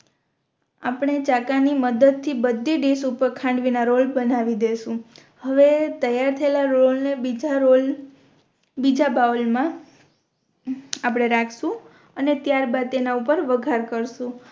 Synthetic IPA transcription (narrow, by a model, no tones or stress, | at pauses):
apɳ̃et͡ʃakaniməd̪əd̪̚t̪ʰːibəd̪ʱːiɖesupəɾkʰãɳɖʋinaɾolbənaʋid̪eʃũ | həʋet̪əjaɾt̪ʰəelaɾolneid͡ʒaɾol | bid͡ʒabaəlmã | apɽ̃eɾakʰʃũ | ənet̪jaɾbad̪̚t̪enaupəɾʋəɡʱaɾkəɾʃũ